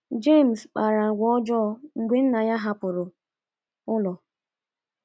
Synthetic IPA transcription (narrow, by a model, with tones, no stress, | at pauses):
d͡ʒe˦˨m̩˨sk͡pa˨ɾa˨ɡʷɔ˦d͡ʒɔ˦ŋ̩˨ɡʷe˦n̩˦na˨ja˦ɦa˦pʊ˨ɾʊ˨ | ʊ˦lɔ˨